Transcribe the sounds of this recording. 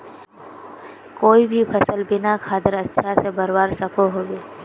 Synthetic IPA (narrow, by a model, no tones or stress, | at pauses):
koːibʱipʰəsəlbɪnakʰaːd̪əɾɐtːʃʰasebəɾbaːɾsɐpʰoɦoːɡeː